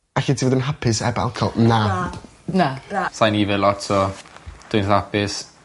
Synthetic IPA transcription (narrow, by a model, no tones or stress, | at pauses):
aɬitʰivɔdʊnɦapʰɪsɛ̰ba̰lˠkʰɔlˠna | nasajnivɪlˠɔtʰɔd̥ʊnθapʰɪs